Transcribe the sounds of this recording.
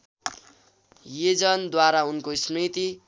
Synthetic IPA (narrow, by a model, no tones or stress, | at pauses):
jed͡zʌnd̪waɾaunkosrit̪i